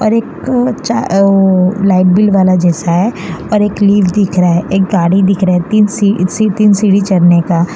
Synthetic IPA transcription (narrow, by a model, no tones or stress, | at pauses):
ɔːɾeːkt͡ʃa | laːɪʈ̚bɪlʋaːlad͡ʒɛːsaɦɛɔːɾeːkliːʋd̪ɪkʰɾaɦɛʔeːk̚ɡaːɽid̪ɪkʰɾaɛt̪iːnsisit̪iːnsiːɽit͡ʃɐɽnekaː